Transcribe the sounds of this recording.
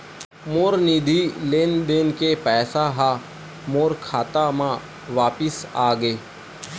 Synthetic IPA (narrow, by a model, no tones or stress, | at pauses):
moːɾniːd̪ʱiːleːnd̪eːnkepɛːsaɦa | moːɾkʰaːt̪amãː | ʋaːpɪsaːɡeː